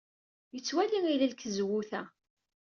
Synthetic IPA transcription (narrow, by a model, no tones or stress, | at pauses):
jət͡sːwæliŋilælkəzwuθæ